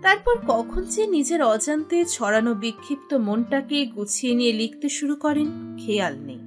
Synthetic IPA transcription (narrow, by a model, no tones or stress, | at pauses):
t̪aɾpɔɾkɔkʰont͡ɕenid͡ʑeɾɔd͡ʑant̪et͡ɕʰɔɾanobikʰːipt̪omonʈakeɡut͡ɕʰienijelikʰt̪eʃuɾukɔɾenkʰealnej